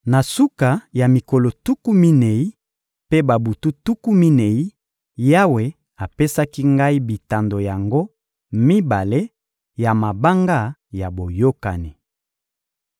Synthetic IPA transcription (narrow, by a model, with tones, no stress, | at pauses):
na˨su˦ka˨ja˨mi˨ko˨lo˨tu˦ku˦mi˦ne˨i˦ | pe˦ba˨bu˨tu˦tu˦ku˦mi˦ne˨i˦ | ja˦we˨ | a˨pe˦sa˦ki˦ŋɡa˦i˦bi˨ta˨ndo˨ja˨ŋɡo˦ | mi˦ba˨le˦ | ja˨ma˨ba˦ŋɡa˦ja˨bo˨jo˦ka̰˨ni˨